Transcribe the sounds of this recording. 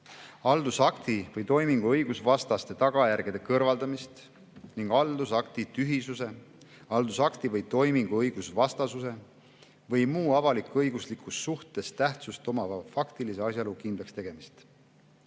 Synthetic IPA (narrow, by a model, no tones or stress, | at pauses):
ɑld̪̥usɑkt̪ivɤjt̪o̞jmiŋɡ̥uɤjɡ̥usvɑst̪ɑst̪e̞t̪ɑɡ̥ɑjærɡ̥id̪ekɤrvɑld̪ɑmist̪ | niŋɡ̥ɑld̪usɑkt̪it̪yɦisuse̞ | ɑld̪̥usɑkt̪ivɤjt̪o̞jmiŋɡ̥uɤjɡ̥usvɑst̪ɑsuse̞ | vɤjmuːɑvɑlikːˑɤjɡ̥uslikːˑusːuht̪e̞st̪æht̪sust̪o̞mɑfɑkt̪ilise̞ɑsʲjɑlukind̪lɑkst̪e̞ɡ̥e̞mist̪